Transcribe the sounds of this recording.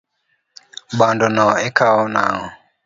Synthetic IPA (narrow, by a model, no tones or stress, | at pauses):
ɓandɔnɔɛkaɔna̰ŋɔ